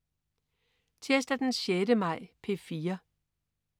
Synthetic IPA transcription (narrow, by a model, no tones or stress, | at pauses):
t͡sʰesd̥æd̥enɕjedəmɑ̈ɪ̰pʰe̝fiːɐ